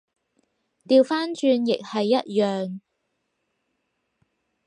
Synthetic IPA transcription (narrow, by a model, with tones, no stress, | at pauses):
t̪iː˨˧wfaː˥nt͡ʃyː˧njɪ˨k̚hɐ˨jːɐ˥t̚jœː˨ŋ